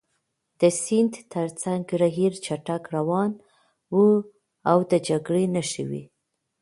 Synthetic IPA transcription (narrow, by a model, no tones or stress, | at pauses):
d̪əsind̪t̪əɾt͡saŋɡɾaɦiɾt͡ʃaʈakɾawɑn | wu | awd̪əd͡ʒaɡɽenaʃə̰wḭ